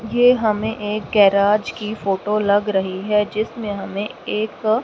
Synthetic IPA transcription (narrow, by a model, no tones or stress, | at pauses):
jeːɦɐmẽʔeːk̚ɡɛːɾaːd͡ʒkifoːʈolɐɡɾɐɦiɦɛd͡ʒɪsmẽɦɐmẽeːk